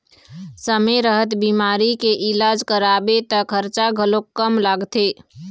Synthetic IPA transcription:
səmeɾəɦət̪bimaːɾikeʔɪlaːd͡ʒkəɾabet̪əkʰəɾt͡ʃaɡʱəlokːəmlaːɡt̪e

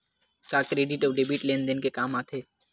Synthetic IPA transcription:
kaːkɾeːɖɪʈɔːɖebiʈleːnd̪enkekaːmaːt̪ʰeː

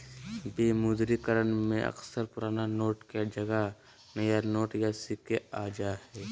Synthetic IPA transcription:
beːmud̪ɾikəɾənmẽʔɐ̰ksəɾpʊɾaːnanoːʈkad͡ʒɐɡa | nɐjanoːʈjasikeaːd͡ʒaːhɛː

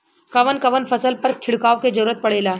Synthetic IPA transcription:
kɐʋənkɐʋənfɐsəlpɐɾt̪ʰɪɽkaːʋked͡ʒɐɾuːɾət̪̚pɐɽ̤eːlaː

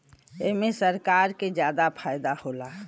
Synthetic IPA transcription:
eɦmẽsəɾkaːɾked͡ʒjaːd̪apʰaːjd̪ahoːlaː

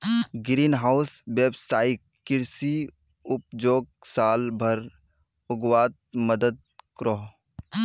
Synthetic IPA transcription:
ɡɾiːnɦaːʊsʋeːbsaːi | ɪɾsi | ʊp̚d͡ʒoːɡ̚saːlbʱɐɾ | ʊɡwaːt̪̚məd̪əd̪̚kɾoɦ

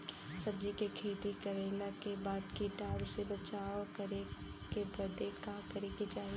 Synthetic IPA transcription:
sɐbd͡ʒikekʰeːt̪ikɐɾeːlakebaːd̪kiʈaːsebɐt͡ʃaːkəɾe | kebɐɾd̪ekakɐɾekid͡ʒaːɦi

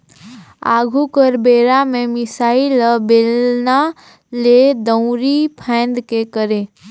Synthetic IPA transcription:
a̰ːɡʱukəɾbeːɾamẽmɪsaːiləbeːlna | led̪ə̃ʊ̃ɾipʰɛ̃ːnd̪kekəɾẽː

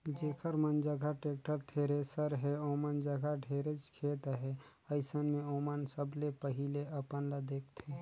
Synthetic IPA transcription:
d͡ʒeːkʰəɾmənd͡ʒəɡʱaʈeːk̚ʈəɾt̪ʰeːɾesəɾɦɛoːmənd͡ʒəɡʱaɖʱeːɾet͡ʃkʰeːt̪ɦɛ | ɐɪsənmẽoːmənsəblepəɦɪleɐpənlad̪eːkʰt̪ʰeː

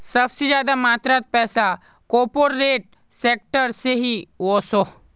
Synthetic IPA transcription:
sɐbsed͡ʒjaːd̪amaːt̪ɾat̪̚pɛːsa | koːpoɽːeːʈ̚ | seːk̚ʈəɾseɦiʋoso

